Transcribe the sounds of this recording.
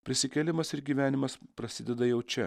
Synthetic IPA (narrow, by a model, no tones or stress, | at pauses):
pʲɾʲɪsʲɪkʲɛlʲɪmɐsɪɾɡʲiːʋʲæːnʲɪmɐspɾɐsʲɪd̪ʲɛd̪ɐjɛʊt͡ʃʲɛ